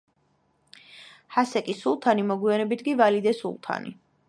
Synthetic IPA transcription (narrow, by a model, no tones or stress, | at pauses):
hasɛkʼisulˠt̪ʰanimɔɡwianɛbit̪ʰɡivalid̪ɛsṵlˠt̪ʰa̰nḭ